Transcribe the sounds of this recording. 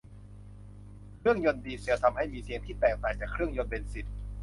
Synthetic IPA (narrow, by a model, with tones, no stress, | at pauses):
kʰɾɯ˥˩əŋjo˧ndiː˧si˨˩˦t̪ʰa˧mha˥˩jmiː˧sʰi˧əŋt̪ʰiː˥˩t̪ɛː˨˩k̚t̪aː˨˩jt͡ɕaː˨˩kʰɾɯ˥˩əŋjo˧npe˧nsi˨˩t̪̚